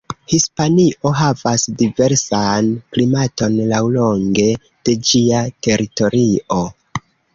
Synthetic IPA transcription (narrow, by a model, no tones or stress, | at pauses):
hispaniʔo̞ɦavasdive̞ɾsanklimato̞nlawlo̞ŋɡe̞ | d̥e̞d͡ʒiate̞ɾito̞ɾiʔo̞